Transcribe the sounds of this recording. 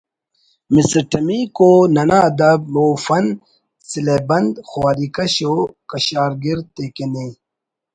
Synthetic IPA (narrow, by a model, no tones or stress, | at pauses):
misɐɾʈɐmikonɐnaːd̪ɐb̚moːfɐn | silebɐnd̪xwaːɾikɐɕokɐɕaːɾɡiɾt̪ekene